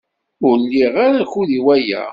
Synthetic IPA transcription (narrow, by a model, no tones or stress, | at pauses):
ʊɾlːiʁaɾaçuðiwæjæ̰